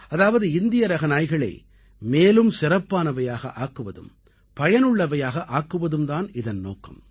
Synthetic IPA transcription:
ɐðaːʋɐðɯɪnd̪ɪjɐɾɐɣɐnaːjɣɐɭɐ̰ɪ | meːlɯmsɪrɐpːaːnɐʋɐjaːɣɐ̰ʔaːkːɯʋɐðɯ̰m | pɐjɐnɯɭːɐʋɐjaːɣɐʔaːkːɯʋɐðɯmd̪aːnɪðɐnno̰ːkːɐ̰m

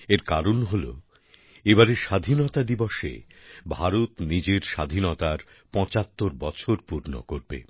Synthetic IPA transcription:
eɾkaɾonɦolo̰ | ebaɾeʃad̪ʱinot̪ad̪iboʃḛ | bʱaɾot̪nid͡ʑeɾʃa̰d̪ʱinɔt̪aɾ | pɔ̃t͡ɕat̪ːoɾbɔt͡ɕʰoɾpuɾno̰koɾbḛ

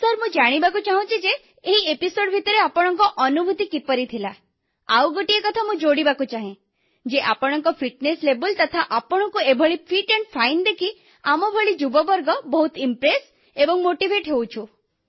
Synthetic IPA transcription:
səɾmũd͡ʒaɽ̃ibakut͡ʃaɦũt͡ʃʰid͡ʒeː | ɦiepisoɖbʱit̪ɔɾeapɔɽ̃ɔŋkɔʔɔnubʱut̪ikipɔɾit̪ʰila | a̰wɡɔʈiekɔt̪ʰamũd͡ʒoɽibakut͡ʃaɦẽ | d͡ʒeʔapɔɽ̃ɔŋkɔpʰiʈneslebɔlt̪ɔt̪ʰaʔapɔɽ̃ɔkuebʱɔɭipʰiʈɛɳɖpʰajnd̪ekʰi | amɔbʱɔɭid͡ʒubɔbɔɾɡɔbɔɦut̪impɾes | ebɔŋmoʈibʱeʈɦewt͡ʃʰũ

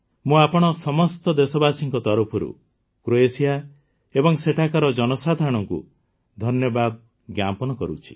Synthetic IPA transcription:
mũapɔɽ̃ɔsɔmɔst̪ɔd̪esɔbasiŋkɔt̪ɔɾupʰɔɾṵ | kɾoesija | ebɔŋseʈʰakɔɾɔd͡ʒɔnɔsad̪ʱaɽ̃ɔŋkṵ | d̪ʱɔnjɔbad̪̚ | ɡjampɔnɔkɔɾut͡ʃʰi̥

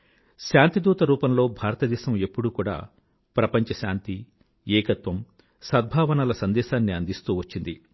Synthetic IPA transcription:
ʃaːnt̪id̪uːt̪ɐɾuːpɐmlo̞ːbʱaːɾɐt̪ɐd̪ɛːʃɐme̞pːuɽukuːɽa̰ː | pɾɐpɐɲt͡ʃɐʃa̰ːnt̪i | ɛːkɐt̪ʋɐm | sɐd̪̚bʱaːʋɐnalɐsɐnd̪ɛːʃaːnːiɐnd̪ist̪uːʋɐt͡ʃːind̪i

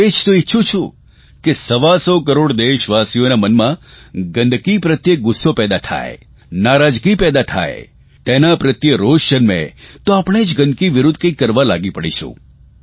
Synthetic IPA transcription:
ed͡ʒt̪oitːʃʰut͡ʃʰũ | kesəʋasokəɾoɽd̪eʃʋasijonamənmãɡənd̪ʱkipɾət̪jek̚ɡʊsːopɛd̪at̪ʰa̰ḛ | naɾad͡ʒkipɛd̪at̪ʰa̰ḛ | t̪enapɾət̪jəɾoʃʃənmḛt̪oapəɽ̃ed͡ʒɡə̃nd̪kiʋɪɾʊd̪ʱkə̃ikːəɾʋala̰ɡipəɽḭʃʰṵ̃

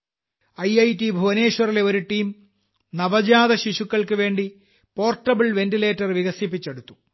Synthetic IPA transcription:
ɐjɐjtibʱuʋɐne̞ːɕwɐrileo̞ɾuʈiːm | nɐʋɐd͡ʑaːd̪ɐɕiɕukːɐɭkɨʋe̞ːɳɖi | po̞ːrʈːɐbɐɭʋe̞ndile̞ːtːɐrʋiɣɐsipːit͡ɕːeɽut̪ːu̥

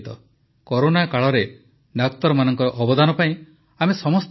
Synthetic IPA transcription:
t̪ɔ | kɔɾonakaɭɔɾe | ɖak̚t̪ɔɾɔmanɔŋkɔɾɔʔɔbɔd̪anɔpaĩ | amesɔmɔst̪

